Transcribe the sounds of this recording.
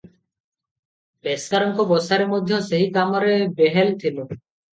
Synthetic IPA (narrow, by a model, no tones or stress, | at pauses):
beskaɾɔŋkobɔsaɾemod̪ʱːjoseɦikamaɾebeɦelt̪ʰilo